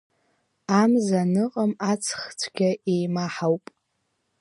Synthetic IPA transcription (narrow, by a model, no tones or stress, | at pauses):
amzanɨqʼəmat͡sʰχt͡sʷʰɡʲaʔejmaħawpʼ